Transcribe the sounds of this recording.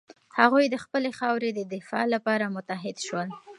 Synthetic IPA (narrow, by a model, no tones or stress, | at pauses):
haɣujd̪əxpəlexɑwɾed̪əd̪ɪfɑ̰lapɑɾamʊt̪aɦɪd̪ʃwəl